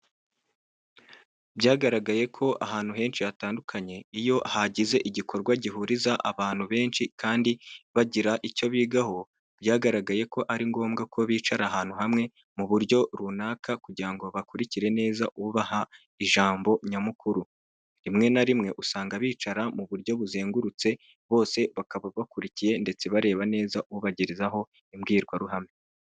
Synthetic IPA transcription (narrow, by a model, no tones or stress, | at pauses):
bjaːɡaɾaɡaje̞kʰo̞ʔa̰ɦaːn̥huɦe̞ːnʃijataːndukʰaɲe̞ijo̞haɟize̞ʔiɟikʰo̞ɾɡwaɟiɦuɾizaʔa̰βaːn̥huβe̞ːnʃikʰaːndiβaɟiɾaʔico̞βiːɡaho̞ | bjaːɡaɾaɡaje̞ko̞ʔaɾiŋɡo̞ːmɡakʰo̞βiːt͡ʃaɾaɦaːn̥uhamŋe̞ | muβuɾɟo̞ɾunaːkʰakuɟiɾaŋɡo̞βakuɾiciɾe̞ne̞ːzaʔuβuβaha | iʒaːmbo̞ɲamukuɾu | ɾimŋe̞naɾimŋe̞ʔusaːŋɡaβiːt͡ʃaɾamuβuɾjo̞βuzeːŋɡuɾut͡se̞ | βo̞ːse̞βakaβaβakuɾicije̞nde̞t͡se̞βaɾe̞ːβane̞ːzaʔuuβaɟiɾizaɦo̞ | imɡiːɾɡwaɾuɦame